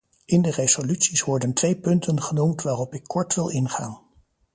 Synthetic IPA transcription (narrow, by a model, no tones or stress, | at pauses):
ʔɪndərez̥olytsisʋɔɹdəntʋejpɵntʰənχənumtʋaːrɔpɪkʰːɔɹtʋɪlˠɪnχaːn